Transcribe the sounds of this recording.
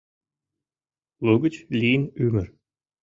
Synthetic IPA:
lˠɤɡə̆t͡ɕlʲinymɘ̆r

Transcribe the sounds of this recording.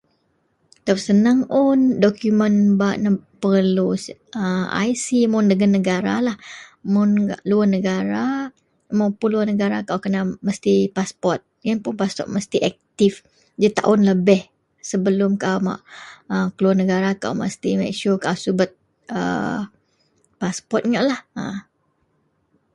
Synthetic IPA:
t̪ap̚sənaŋʔʊndɔkjumənbaʔnəpəlusəa̰jsimʊndəɡanːəɡaɾa̰lahmʊnaʔluarnəɡaɾa | mapuluanəɡaɾakawkənaməst̪ipaspɔrt̪̚jaŋpʊnpaspɔ̰t̪̚məst̪iʔɛk̚t̪if | d͡ʒit̪a̰ʔʊnləbɛh | səbəlʊmkawma̰ʔəkəluarnəɡaɾaka̰wmə̰st̪imɛ̰k̚ʃokawsubət̪̚ | ə̰ | paspɔt̪̚ɲaʔlahə̰

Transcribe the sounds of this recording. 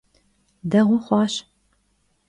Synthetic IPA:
dɐʁʷʊχʷɑːɕ

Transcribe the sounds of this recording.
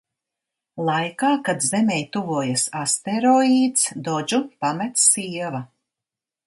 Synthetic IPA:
lˠajkaːkad̪zɛmɛjt̪uvuɔjasast̪eɾɔiːt̪sd̪ɔd͡ʒupamɛt̪ssiɛva

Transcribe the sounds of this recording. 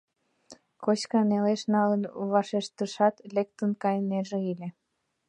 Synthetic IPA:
kot͡ɕkɑneleʃnɑlənβɑʃeʃt̪əʃɑt̪lek̚t̪ənkɑjneʒeilʲe

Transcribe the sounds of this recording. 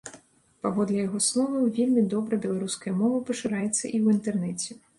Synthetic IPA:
pavɔd̪lʲɛjaɣɔslˠɔvɐwvʲelʲmʲid̪ɔbɾɐbʲɛlˠaɾuskɐjɐmɔvɐpɐʂɨɾajɛt̪sːɐ̰ʔiwint̪ɛrnɛt͡sʲɛ

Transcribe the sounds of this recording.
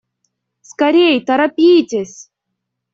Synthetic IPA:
skɐɾʲejt̪ɐɾɐpʲijtʲesʲ

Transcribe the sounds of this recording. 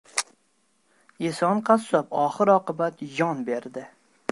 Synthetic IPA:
esɒnqʰɑsɒpɒχɨɾɒqɨbat̪jɒnbeɾd̪ɪ

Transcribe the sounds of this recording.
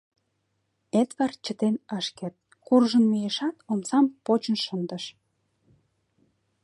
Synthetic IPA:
et̪βɑrt͡ɕət̪enəʃkĕt̪̚ | kurʒə̆nmijeʃɑt̪omsɑmpot͡ɕə̆nʃənd̪ə̆ʃ

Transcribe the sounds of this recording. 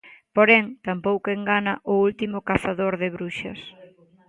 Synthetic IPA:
poɾɛŋt̪ampowkeŋɡanɐʔʊult̪imʊkaθaðoɾðɪβɾuʃɐ̰s

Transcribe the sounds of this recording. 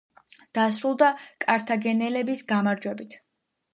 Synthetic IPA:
d̪̥asɾulˠd̪akʼaɾt̪ʰaɡɛnɛlɛbisɡamaɾd͡ʒwɛbit̪ʰ

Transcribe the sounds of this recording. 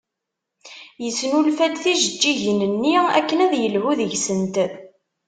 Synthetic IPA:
jəsnulfæd̪θiʒəd͡ʒːiʝnənːiæ̰kːənæðjəlhuðəʝsənt̪

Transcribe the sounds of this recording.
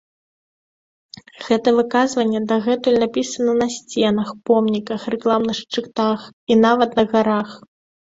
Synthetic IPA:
ɣɛt̪ɐvɨkazvɐnʲːɛd̪aɣɛt̪ɨlʲnapʲisɐnɐnɐsʲt͡sʲɛnɐxpɔmnʲikɐxrɛklˠamnɨxʂt͡ʂɨkt̪axin̪avɐt̪nɐɣaɾax

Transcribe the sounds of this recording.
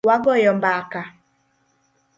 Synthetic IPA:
waɡɔjɔmbaka

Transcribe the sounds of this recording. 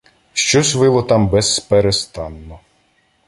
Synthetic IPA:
ʃt͡ʃɔsʲʋɪlˠɔt̪ɑmbɛsːpeɾest̪ɑnːɔ

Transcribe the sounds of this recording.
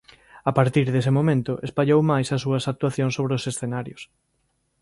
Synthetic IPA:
apaɾt̪iɾðesɪmomẽnt̪ʊʔespaʎowmajsɐsːuɐsak̚t̪waθjõŋsoβɾeosesθenaɾjʊs

